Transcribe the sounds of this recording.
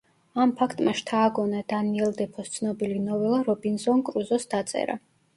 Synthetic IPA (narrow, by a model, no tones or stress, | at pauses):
ampʰakʰt̪ʼmaʃt̪ʰaːɡɔnad̪̥aniɛld̪ɛpʰɔst̪sʰnɔbilinɔvɛlˠaɾɔbinzɔnkʼɾuzɔsd̪at̪sʼɛ̰ɾa̰